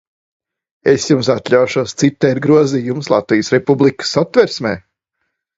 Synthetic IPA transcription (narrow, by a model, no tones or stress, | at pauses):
esjums̬at̪lʲawʃuɔst̪sit̪ːɛɾɡɾuɔziːjumslˠat̪vijsɾepublˠikɨ̥sat̪vɛɾsmɛ̰ː